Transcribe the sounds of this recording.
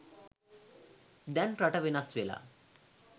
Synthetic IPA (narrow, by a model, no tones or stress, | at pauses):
d̪ɛnʈɾaʈɐʋenasʋela̰